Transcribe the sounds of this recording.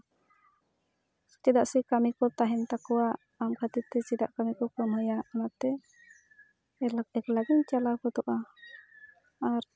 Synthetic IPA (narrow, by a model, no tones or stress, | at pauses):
t͡ʃɛd̪aʔsɛkamikɔt̪aɦɛnt̪akɔwa | amkʰat̪it̪ɛt͡ʃɛd̪aʔkamikɔkɔmhɔjaamat̪ɛ | ɛlakɛklaɡɛɲt͡ʃalakɔt̪ɔʔa | aɾ